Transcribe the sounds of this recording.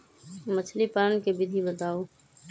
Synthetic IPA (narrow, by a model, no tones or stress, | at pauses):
mət͡ʃʰlipaːnkebɪd̪ʱibət̪aːoː